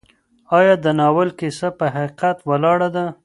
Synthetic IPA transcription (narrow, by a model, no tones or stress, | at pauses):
ɑjɑd̪ənɑwəlkisapəɦaqiqat̪walɑɽad̪a